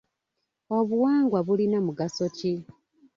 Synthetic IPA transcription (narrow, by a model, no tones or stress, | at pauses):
o̞βuwaːŋɡwaβulinamuɡaso̞ci